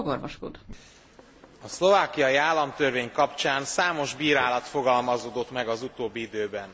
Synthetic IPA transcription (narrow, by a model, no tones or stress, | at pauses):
ɡorvɒ̰ʃko̰d̪ | ɒslo̞vaːkijɒjiaːlːɒmt̪ørveːɲkɒpt͡ʃaːnsaːmo̞ʒbiːɾaːlɒt̪fo̞ɡɒlmɒzoːd̪o̞t̪mɛɡɒzut̪oːbːiid̪øːbɛn